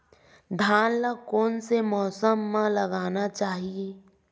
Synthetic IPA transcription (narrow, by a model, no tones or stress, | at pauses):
d̪ʱaːnlakɔːnsemɔːsəmːãlɐɡaːnat͡ʃaːɦieː